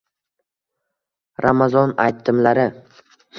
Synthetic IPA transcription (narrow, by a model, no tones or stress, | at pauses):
ɾamazɒnajt̪ʰːɪmlaɾɪ